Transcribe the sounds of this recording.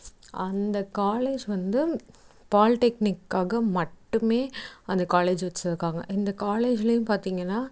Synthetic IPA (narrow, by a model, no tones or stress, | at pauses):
ɐnd̪ɐkaːleːd͡ʒʋɐnd̪ɯ | paːlʈɛknɪkːaːɣɐmɐʈːɯmeːɐnd̪ɐkaːleːd͡ʒʋɐt͡ʃːɐðɯkːaːŋɡɐ̰ʔɪnd̪ɐkaːleːd͡ʒɪlɐjʊ̃mpaːɾt̪iːŋɡɐnːaː